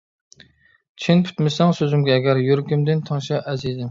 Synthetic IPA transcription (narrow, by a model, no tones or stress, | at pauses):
t͡ʃʰinpʰy̥t̪mɪsɛŋsøzɪmɡʲɛːɡʲɛɾjøɾkʲymd̪ɪnt̪ʰɑŋʃɑʔɛzid̪ɪm